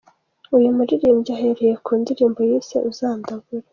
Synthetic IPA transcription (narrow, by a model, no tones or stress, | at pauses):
ujumuɾiɾiːmɟaɦe̞ɾejekʰuːndiɾiːmbo̞jiːse̞̰ʔuzaːndaɡuɾa